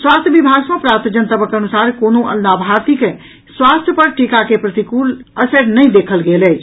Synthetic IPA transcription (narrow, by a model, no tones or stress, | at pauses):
swast̪ʰjəbibʱaɡmẽpɾaɾt̪d͡ʒənt̪əbʱəkənusaɾkonoʔə̰lnabʱaɾt̪ike | swast̪ʰjəpəɾʈikakepɾət̪ikuləsəɾnəjd̪ekʰəlɡelɛt͡ʃʰ